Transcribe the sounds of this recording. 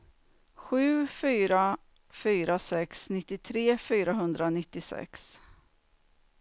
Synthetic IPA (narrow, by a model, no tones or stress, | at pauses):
ɧʉ̟ːfyːɾa | fyːɾasɛksnɪt̪ːɪt̪ʰɾeːfyːɾaɦɵnd̪ɾanɪt̪ːɪsɛ̰ks